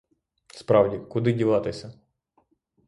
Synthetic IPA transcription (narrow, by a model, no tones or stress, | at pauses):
spɾɑwdʲikʊd̪ɪdʲiʋɑt̪ɪsʲɐ